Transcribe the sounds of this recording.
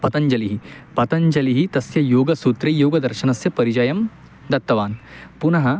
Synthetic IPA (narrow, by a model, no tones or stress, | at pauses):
pɐt̪ɐɲd͡ʒɐliɦipɐt̪ɐɲd͡ʒɐliɦit̪ɐsjɐjoːɡɐsuːt̪ɾejoːɡɐd̪ɐɾʃɐnɐsjɐpɐɾid͡ʒɐjɐm | d̪ɐt̪ːɐʋaːnpunɐɦɐ